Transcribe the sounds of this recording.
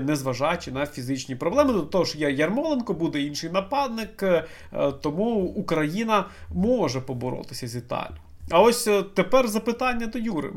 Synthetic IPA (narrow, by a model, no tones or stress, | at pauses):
nɛzʋɐʒɑjt͡ʃɪnɐfʲizɪt͡ʃnʲipɾɔblˠɛmɪd̪lɐt̪ɔɦɔʃjɐjɐrmɔlˠenkɔbud̪ɛinʃɪjnɐpɑd̪nɪk | t̪ɔmuːkɾɐjinɐmɔʒɛpɔbɔɾɔ̰t̪ɪsʲɐzʲit̪ɑ̰lʲʊ | ɐɔsʲt̪epɛrzɐpɪt̪ɑnʲːɐd̪ɔjuɾɪ̰